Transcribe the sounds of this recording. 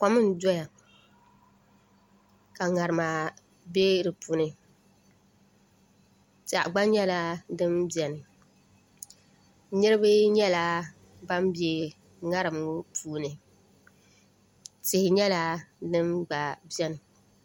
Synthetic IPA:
ka˦mɨ˦n˦dɔ˦ja˨ | ka˨ŋa˨ɾɨ˨maː˨ | be˦ɾɨ˨pu˨nɨ˨ | t͡ʃa˨ʔɡ͡ba˦ɲɛ˦la˦dɨ˦mbjɛ˨nɨ˨ | nɨ˦ɾɨ˦bɨ˦ɲɛ˦la˦ | ba˦mbje˨ | ŋa˦ɾɨ˨mʊ˦pʰuː˨nɨ˨ | tɪ˨hɪ˨ɲɛ˦la˦dɨ˦mɡ͡ba˨bjɛ˦nɨ˨

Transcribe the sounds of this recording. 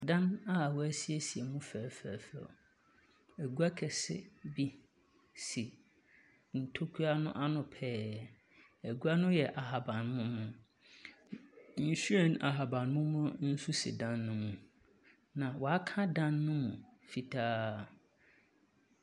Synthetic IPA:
dã˦na˦˨wɔ˨æ˦si˦ɛ˦si˨ɛ˨mũ˦fæː˨fæ˨fɔ̰˨ | æ˨ɡu˦a˦kʰɛ˨sɪ̰˦bi˦ | si˨ | n̩˨tʰo˦kʰu˦a˦nʊ̃˦ʔa˦nʊ̃˨pʰɛː˦˨ | æ˨ɡu˦a˦nʊ̃˦jɛ˨ʔa˨ɦa˨bã˨nmʊ̃˦mʊ̃˨ | n̩˨su˦ɛ˦˨na˨ɦa˨bã˨nmʊ̃˦mʊ̃˦n̩˦su˦sɪ̰˨dã˦nːʊ̃˦mũ˨ | nã˨wɔ˨a˦kʰã˦dã˦nːʊ̃˦mũ˨fi˨tʰaː˦

